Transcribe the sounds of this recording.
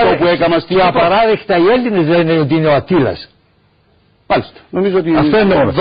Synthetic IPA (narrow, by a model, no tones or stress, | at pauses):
opuekɐmɐst̪iɐpɐɾɐðext̪ɐield̪inezleneot̪̬iineoɐt̪ilɐ̰s | mɐlist̪ɐ̥nomizoot̪iɐfoen